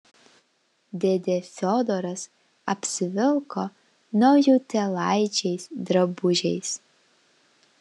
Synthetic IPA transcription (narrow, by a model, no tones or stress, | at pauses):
d̪ʲed̪ʲefʲod̪ɔɾɐs | ɐpʲsʲɪʋʲɪlˠko | nɐʊjuːt̪ʲɛlˠɐɪt͡ʃʲɛɪsd̪ɾɐbʊʒʲɛɪs